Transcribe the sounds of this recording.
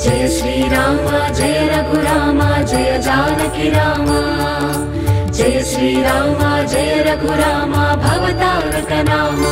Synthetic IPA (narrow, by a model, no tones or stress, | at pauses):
d͡ʒeːsɾiɾaːmad͡ʒeːɾɐɡʱuɾaːmad͡ʒeːd͡ʒaːnɐkiɾaːma | d͡ʒeːsɾiːɾaːmad͡ʒeːɾɐɡʱuɾaːmabʱɐʋɐt̪aːɾkɐnaːm